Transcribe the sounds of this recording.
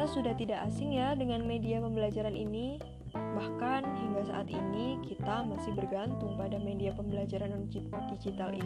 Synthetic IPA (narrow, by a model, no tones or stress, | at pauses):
asudaht̪idaʔasɪŋjadəŋanmediapəmbəlad͡ʒaɾanini | bahkanɦiŋɡasa̰ʔa̰t̪inikit̪amasɪhbərɡant̪ʊŋpadamediapəmbəlad͡ʒaɾanundid͡ʒit̪alḭ